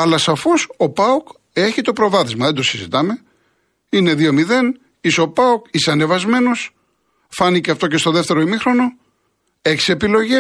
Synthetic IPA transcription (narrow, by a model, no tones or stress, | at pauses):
ɐlɐsɐfo̞so̞pɐok | e̞çit̪o̞pɾo̞vɐθizmɐðe̞d̪o̞sizḭt̪ɐme̞ | ine̞ðio̞miðe̞n | iseo̞pɐokiseɐne̞vɐzme̞no̞s | fɐniceɐft̪o̞ce̞st̪o̞ðe̞ft̪e̞ɾoimixɾo̞no̞ | e̞çsie̞pilo̞ʝe